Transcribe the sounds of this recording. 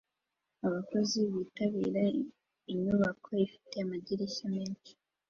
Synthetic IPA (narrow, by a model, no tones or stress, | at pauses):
aβako̞ziβiːtaβḭːɾa | iɲuβakʰo̞ifi̥te̞amaɟiɾeçameːnt͡ʃi̥